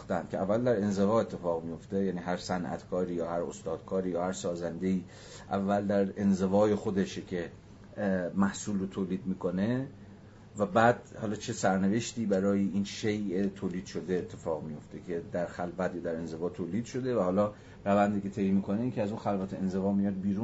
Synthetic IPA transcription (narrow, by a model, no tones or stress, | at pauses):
xt̪ænd̪kʲʰeævːæld̪æɾe̞nze̞vɒːe̞t̪ʰːe̞fɒːɣmijo̞ft̪e̞jæːniːɦæɾsænʔæ̰t̪kʰɒːɾiːjɒːhæɾost̪ɒːd̪̥̚kʰɒːɾiːjɒːhæɾsɒːzænd̪e̞iː | ʔævːæld̪æɾe̞nze̞vɒːjexo̞d̪e̞ʃcʲʰe | mæhsuːlrot̪ʰoːliːd̪̚miːkʰo̞ne̞ | væbæːd̪hɒːlɒːt͡ʃʰe̞sæɾneveʃt̪iːbæɾɒːjeʔiːnʃejʔet̪ʰoːliːd̪̥ʃo̞d̪eːt̪ʰːe̞fɒːɣmijo̞ft̪e̞kʰe̞d̪æɾxælvæt̪jɒːd̪æɾe̞nze̞vɒːt̪ʰoːliːd̪̥ʃo̞d̪e̞væhɒːlɒː | ɾævænd̪iːke̞t̪ʰejmiːkʰoneiːkʰʲeæzunxælvæt̪ʰeenze̞vɒːmijɒd̪̚biːɾuːn